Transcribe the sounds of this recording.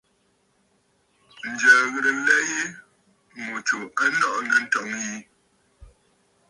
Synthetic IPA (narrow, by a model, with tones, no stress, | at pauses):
n̩˨d͡ʒəː˨ɣə˨ɾə˨˦lɛ˦je˦ | mu˨t͡ʃu˨a˦nɔ˦˨ʔnə˨˦n̩˦tɔ˨ŋji˦